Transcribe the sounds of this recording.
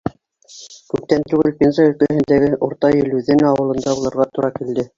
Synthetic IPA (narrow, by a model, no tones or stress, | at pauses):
kʉp̚t̪ænt̪ʉɡɘlpʲenzɑɵ̆lkæhɘ̆nd̪æɡɘʔŏɾt̪ɑjɘ̆lʉðænɑwɤ̆lˠɤ̆nd̪ɑbulˠɤ̆ɾʁɑt̪uɾʔɑkild̪ɘ